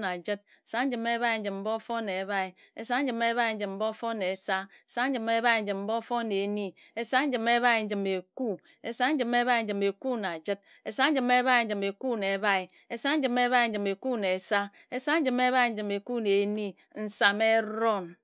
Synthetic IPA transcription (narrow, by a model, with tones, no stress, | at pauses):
na˨d͡ʒɨ˦t̚ | e˨sa˦n̩˦d͡ʒɨ˨me˦βa˦i˨n̩˦d͡ʒɨ˨mm̩˦bo˦fo˦ne˨βa˦i˨ | e˦sa˦n̩˦d͡ʒɨ˨me˦βa˦i˨n̩˦d͡ʒɨ˨mm̩˦bo˦fo˦ne˨sa˦ | e˨sa˦n̩˦d͡ʒɨ˨me˦βa˦i˨n̩˦d͡ʒɨ˨mm̩˦bo˦fo˦ne˨˦ni˦ | e˦sa˦n̩˦d͡ʒɨ˨me˦βa˦i˨n̩˦d͡ʒɨ˨me˨ku˦ | e˨sa˦n̩˦d͡ʒɨ˨me˦βa˦i˨˦d͡ʒɨ˨me˨ku˦na˨d͡ʒɨ˦t̚ | e˨sa˦n̩˦d͡ʒɨ˨me˦βa˦i˨n̩˦d͡ʒɨ˨me˨ku˦ne˨˦βa˦i˨ | e˦sa˦n̩˦d͡ʒɨ˨me˦βa˦i˨n̩˦d͡ʒɨ˨me˨ku˦ne˨sa˦ | e˦sa˦n̩˦d͡ʒɨ˨me˦βa˦i˨n̩˦d͡ʒɨ˨me˨ku˦ne˨˦ni˦ | n̩˨sa˨me˦ɾo˦˨n